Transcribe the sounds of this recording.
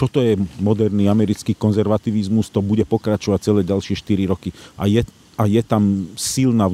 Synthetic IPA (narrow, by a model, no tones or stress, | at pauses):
t̪ɔt̪ɔjɛmɔd̪ɛɾniːamɛɾit͡skiːkɔnzɛɾʋat̪iːʋizmust̪ɔbuɟɛpɔkɾat͡ʃɔʋac̚t͡sɛlɛːɟalʃɪɛʃt̪iɾiɾɔkiʔajɛ | ajɛt̪amsilna